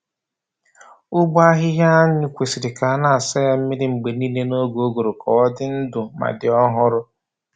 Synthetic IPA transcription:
ʊ˦ɡ͡bʊ˦a˦ɦɪ˦ɦja˦ɲʊ˦kʷe˨si˨ɾɪ˨ka˨a˦˨na˦˨a˨sa˦ja˦m̩˦mɪ˦ɾɪ˦ŋ͡m̩˨ɡ͡be˨ni˦le˦no˦ɡo˨˦o˦ɡo˨ɾʊ˨kɔ˨ɔ˦dɪ˦n̩˦dʊ˨ma̰˨dɪ˨ɔ˦ɦʊ˦ɾʊ˦

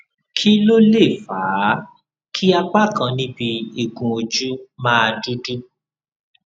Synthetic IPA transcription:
kʰi˦lo˦le˦˨faː˨˦ | kʰi˦a˧k͡pa˦˨kã˧nĩ˦bi˧i˦˨ɡũ˨o˧d͡ʒu˦mãː˦a˧di˦di˦

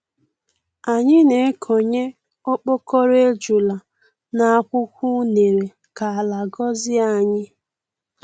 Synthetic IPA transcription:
a˨ɲɪ˦ne˨˦kʰo˨ɲe˦ | o˦k͡po˦kɔ˦ɾe˦d͡ʒu˨la˨ | na˨a˦˨kʷʊ˦kʷu˦ne˨ɾe˨ | ka˨a˨la˨ɡɔ˦zɪ˦a˨ɲɪ˦

